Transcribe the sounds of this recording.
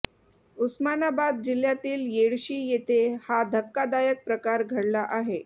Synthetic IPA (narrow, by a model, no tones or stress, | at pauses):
usmanabad̪̚d͡ʑil̤jat̪iːljeɽɕiːjet̪ʰehad̪ʱəkːad̪ajək̚pɾəkaɾɡʱəɽlaʔaɦe